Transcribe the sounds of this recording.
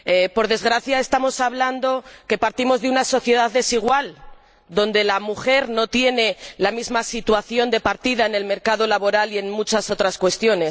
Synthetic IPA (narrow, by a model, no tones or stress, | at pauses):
epo̞ɾðe̞zɣɾaθjaest̪amo̞saβland̪o̞ke̞paɾt̪imo̞zðeunaso̞θje̞ðaððe̞siɣ̞wal | d̪o̞nd̪e̞lamuxe̞ɾno̞t̪je̞ne̞lamizmasit̪waθjo̞nd̪e̞paɾt̪iðaene̞lme̞ɾkað̞o̞laβo̞ɾalie̞nmut͡ʃaso̞t̪ɾaskwe̞st̪jo̞ne̞s